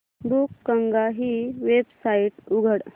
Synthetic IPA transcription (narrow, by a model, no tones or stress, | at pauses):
bukːəŋɡaɦiʋebsaiʈuɡʱəɽ